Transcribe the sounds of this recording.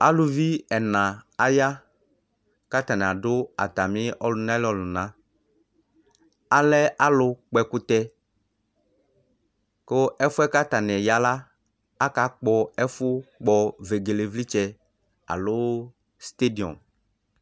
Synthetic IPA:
a˦lʊ˨vi˦ɛ˨nã˨a˦ja˦ | ka˦t̪a˨nɛ̃˨a˨dʊ˦a̰˨t̪a˨mɪ̃˦ɔ˦lʊ˨nã˦lɔ˨lʊ˨nã˦ | a˦lɛ˦ʔa˦lʊ˦k͡pɛ˨kʊ˦t̪ɛ˦ | ko˦ɛ˦fʊ˦ɛ˦ka˦t̪a˨nɛ˨ja˦la˦ | a˦ka˨˦k͡pɔ˨ɛ˦fʊ˦k͡pɔ˨ve˨ɡe˨le˨vli˦t͡ʃɛ˦ | a̰˨lʊ˦ | st̪e˦di˨ɔ̰˨m

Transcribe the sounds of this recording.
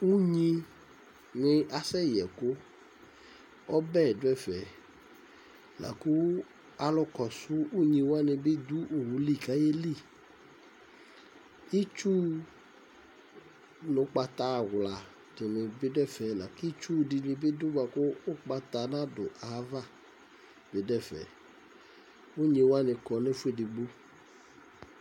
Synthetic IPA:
wu˦ɲĩ˧ | nɪ˧ʔa˨sɛ˦jɛ˨ko˦ | ɔ˦bɛ˦˨dʊ˦ɛ˦˨fɛ˨ | la̰˨ku˦ | a˨lɔ˧kɔ˨sʊ˦u˦ɲĩ˧wa˦nɪ̃˧be˦d̪u˦ʔo˨wu˨li˦˨ka˦je˦li˦˨ | i˦t͡ʃu˦ | no˨˦k͡pa˧t̪a˧˨ɣla˨ | to˨ne˨be˦ɖɛ˦˨fɛ˨la˨ki˦t͡ʃu˦di˧ni˧be˦d̪u˦ba˨koː˦k͡pa˧t̪a˧nã˦dʊ˨ʔa˨˦va˦˨ | be˨dɛ˦˨fɛ̰˨ | wu˦ɲĩ˧wa˦ne˧kɔ˨ne˦fu˦e˦˨di˨ɡ͡bo˦

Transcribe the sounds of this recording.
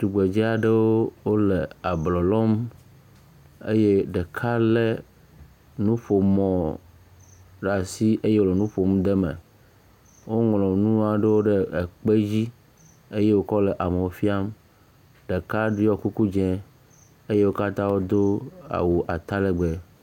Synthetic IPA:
t̪u˨ɡ͡be˨d͡ʑi˦a˨ɖe˦wo˦wo˦le˨a˨blɔ˨lɔ˦m | ḛ˦je˦ɖe˨kʰa˦le˦ | nũ˦ɸo˨mɔ̃˨ | ɖa˨si˦ʔe˦je˦wo˦le˨nũ˦ɸo˨m˦d̪e˦mḛ˨ | wo˦ŋlɔ̃˨nũ˦a˨ɖe˦wo˦ɖe˦e˨k͡pe˦d͡ʑi˦ | e˦je˦wo˦kɔ˦le˨ʔa˨me˨wo˨fi˦a˦m | ɖe˨ka˦ɖi˦jɔ˦ku˦ku˦d͡ʒɛ̃˦ | e˦je˦wo˦ka˦t̪ã˦wo˦d̪o˦a̰˨wu˨ʔa˨t̪a˦le˦˨ɡ͡be˨

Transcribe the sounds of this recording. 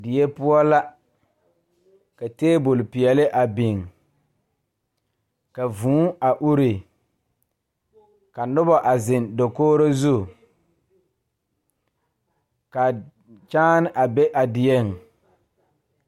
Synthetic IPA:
dɪ˨je˦pʊ˦ɔ˦la˦ | ka˨teː˦bʊ˨lpi˨ɛ˨lɪ˦ʔa˨bɪ˨ŋ | ka˨vũː˨˦a˨ʔu˦ɾe˨ | ka˨nʊ˦bɔ˨ʔa˨zɪ˨ndo˨koː˦ɾo˦zu˦˨ | ka˨ | t͡ʃaː˦n˦ʔa˨be˦ʔa˨dɪ˨je˦ŋ˨

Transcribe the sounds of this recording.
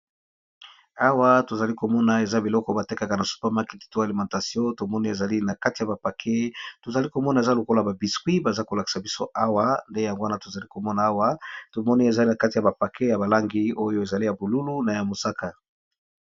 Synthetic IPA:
a˦wa˦to˨za˨li˦ko˨mɔ˦na˨e˨za˦bi˨lɔ˦kɔ˨˦ba˨te˦ka˨ka˨na˨su̥˦pa˦ma˦ki̥˦ti̥˨˦to˦a˨li˨mɑ̃˨nta˨sjɔ̃˦to˨mɔ˦ni˦e˨za˨li˦na˨ka˦ti˨ja˨ba˨pa˨kʰe˦to˨za˨li˦ko˨mɔ˦na˨e˨za˦lo˨ko˦la˨ba˨bi˨skwi˦ba˨za˦ko˨la˨ki̥˨sa˨bi˦so̰˦ʔa˦wa˦nde˦ja˨ŋɡo˦a˦na˦to˨za˨li˦ko˨mɔ˦na˨a˦wa˦to˨mɔ˦ni˦e˨za˨li˦na˨ka˦ti˨ja˨ba˨pa˨kʰe˦ja˨ba˨la˦ŋɡi˦o˦jo˦e˨za˨li˦ja˨bo˨lu˦lu˦na˨ja˨mo˨sa˦ka˨

